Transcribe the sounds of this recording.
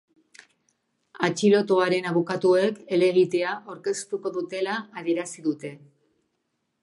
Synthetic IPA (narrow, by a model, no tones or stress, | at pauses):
at͡ʃilo̞t̪oaɾe̞naβ̞ukat̪ue̞ke̞le̞ɣit̪e̞aʔawɾke̞st̪uko̞ðut̪e̞laːðie̞ɾasiðut̪e̞